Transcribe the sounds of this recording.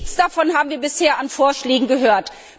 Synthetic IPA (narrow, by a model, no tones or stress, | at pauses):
t͡sd̥afɔnhaːbm̩viːɐbɪsheːɐʔanfoːɐʃlɛːɡŋ̩ɡəɦøːɐt